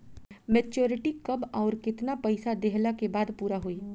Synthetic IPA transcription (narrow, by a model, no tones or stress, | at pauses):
mɛːt͡ʃoːɾɪʈikɐbɔːɾkɪt̪napəɪsad̪eɦlakebaːd̪puːɾaɦoi